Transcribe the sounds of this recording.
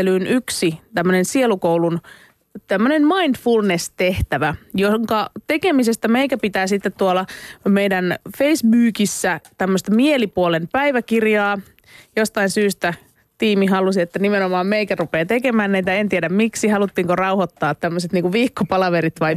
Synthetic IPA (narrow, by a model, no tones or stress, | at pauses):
elyːnyksit̪æmːønensielukowlun | t̪æmːønenmɑind̪fulnest̪eht̪æʋæjoŋkɑt̪ekemisest̪æmeikæpit̪æːsit̪ːet̪tuolɑmeidænfeisbyːkisːæt̪æmːøst̪ɑmielipuolempæiʋækirjɑː | jost̪ɑinsyːst̪æ | t̪iːmiɦɑlusiet̪ːænimenomɑːmmeikærupeːt̪ekemæːnniit̪æent̪iedæmmiksihɑlut̪ːiːŋkorɑuhot̪ːɑːt̪tæmːøset̪niːŋkuʋiːkːopɑlɑʋeɾit̪ʋɑi